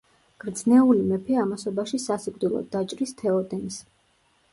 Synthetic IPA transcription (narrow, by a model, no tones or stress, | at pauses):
ɡ̥ɾd̪znɛulimɛpʰɛamasɔbaʃisasikʼd̪ilˠɔ̰d̪at͡ʃʼɾist̪ʰɛɔd̪ʼɛnis